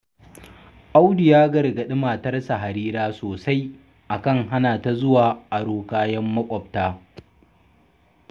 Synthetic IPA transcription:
ʔa˦wdɪ˨jaː˦ɡɐ˨rɡɐ˨ɗɪ˦maː˨tɐ˦rsa˨ɦa˨ɾiː˦ɾaː˦soː˨sa˦j | ʔa˨kɐ˦ŋɦa˦naː˨ta˦zʊ˦waː˨ʔa˨ɽoː˦kaː˦jɐ˦mːɐ˦kʷʼɔ˨b̚taː˦

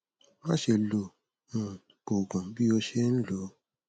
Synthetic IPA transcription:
ma˦ʃe˧˨lo˨ | ũ˨ | ko˨ɡã˨˦bi˦o˧ʃe˦n̩˦lo˨˦

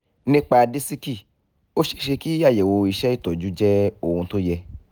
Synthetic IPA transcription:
nĩ˦k͡pa˧di˦si˦ki˦˨ | o˦ʃe˧ʃe˧ki˦a˦˨je˨wo˧i˧ʃɛ˦i˦˨tɔ˨d͡ʒu˨˦d͡ʒɛ˦o˦˨hũ˧to˦jɛ˧

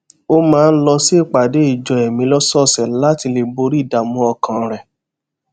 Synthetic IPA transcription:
o˦mãː˦˧n̩˦lɔ˧si˦˨k͡pa˨de˨˦i˦˨d͡ʒɔ˨ɛ˨mĩ˧˦lɔ˦sɔ˦˨sɛ˨la˦ti˧le˨bo˧ɾi˦˨da˨mũ˧˦ɔ˧kã˨ɾɛ˨

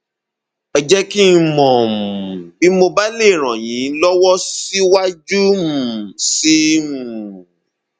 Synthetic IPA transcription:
ɛ˨d͡ʒɛ˦ki˦˧mɔ̃˨m˨bi˨˦mo˧ba˦le˦˨ɾ̃ã˨jĩ˨˦lɔ˦wɔ˦si˦wa˦d͡ʒu˦m̩˨si˦mũ˨

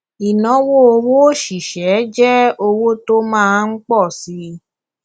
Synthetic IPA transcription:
i˨nɔ̃˨˦wo˦o˧wo˦ʃi˨ʃɛ˨˦d͡ʒɛ˦o˧wo˦to˦mãː˦˧˦n̩˦k͡pɔ˦˨si˧˦

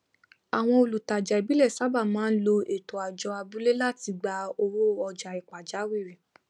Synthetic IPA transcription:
a˨w̃ɔ̃˧o˧lu˨ta˨d͡ʒa˨i˨bi˦lɛ˦˨sa˨˦ba˦˨mãː˦n̩˦lo˧e˨to˨a˨d͡ʒɔ˧a˧bu˦le˦la˦˨ti˧ɡ͡ba˧o˧wo˦ɔ˧d͡ʒa˧˨i˨ka˨d͡ʒa˨˦wi˦˨ɾĩ˨

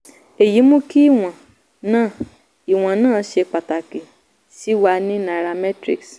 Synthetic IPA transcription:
e˨ji˨˦mũ˦ki˦i˦˨w̃ɔ̃˨ | nãː˦˨ | i˨w̃ɔ̃˨nãː˦˨˧ʃe˧k͡pa˨ta˨ki˨ | si˨˦wa˧nĩ˦na˨ɾa˧mɛ˦tɾi˦ks

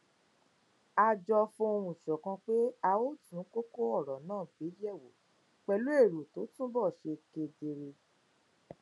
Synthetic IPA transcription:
a˧d͡ʒɔ˧fũ˧o˧wũ˨ʃɔ˨kã˧k͡pe˦a˧o˦tũ˨˦ko˦ko˦ɔ˦˨ɾɔ˨nãː˦˨ɡ͡be˨˦jɛ˦˨wo˨˦ | k͡pɛ˧lu˦e˦˨ɾu˨to˨˦tũ˦bɔ˦˨ʃe˧ke˧de˧ɾe˧

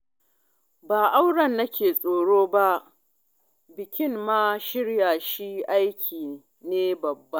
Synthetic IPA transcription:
baː˨ʔa˦wɽɐ˨nːɐ˦kʲʰeː˨sʼoː˨ɽoː˦ba˦ʔ | bɪ˨kʲɪ˦mmaː˦ʃɪ˦ɽjaː˨ʃi˦ʔa˦jkʲʰiː˨ | neː˦bɐ˨bːɐ˦n

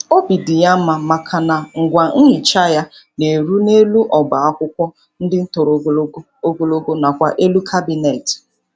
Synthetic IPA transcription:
o˦bi˨dɪ˨ja˦m̩˦ma˨ma˨kʰa˨na˨ŋ̩˨ɡʷa˨ŋ̩˦ɲɪ˨t͡ʃa˦ja˦ | ne˨ɾu˦ne˦lu˦ʔɔ˨ba˨a˦kʷʊ˦kʷɔ˦ | n̩˦dɪ˦n̩˦to˨ɾo˨˦o˦ɡo˦lo˦ɡo˦na˨kʷa˦ʔe˦lu˦kʰa˦bi˨ne˨t

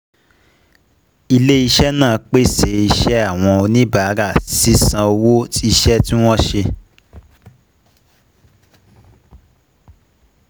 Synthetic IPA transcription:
i˧le˦i˧ʃɛ˦nãː˦˨˧k͡pe˦se˨i˧ʃɛ˦a˦˨w̃ɔ̃˧o˧nĩ˦ba˨˦ɾa˦˨si˦sã˧o˧wo˦ti˦i˧ʃɛ˦ti˦w̃ɔ̃˦ʃe˧

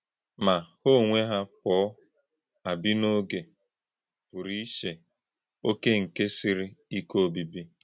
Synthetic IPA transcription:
ma˨ho˦˨ŋʷe˦ɦa˦k͡pɔː˨˦ | a˨bi˦no˦ɡe˨ | pʊ˨ɾi˦ʃe˨ | o˦ke˦ŋ̩˨ke˦si˦ɾi˦i˦ko˦˨bi˨bi˦

